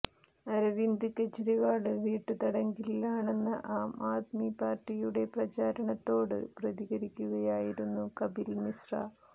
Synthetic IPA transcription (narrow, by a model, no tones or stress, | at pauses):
ɐɾɐʋind̪uket͡ɕːɐɾiʋaːɭɨʋiːʈːɨt̪ɐɽɐŋɡillaːɳe̞nːɨʔaːmaːt̪mipaːrʈːijuɽe̞prɐt͡ɕaːɾɐɳɐt̪ːo̞ːɽɨ̰prɐðiɣɐɾikʲːuɣɐjaːjiɾunːukɐbilmisra̰ː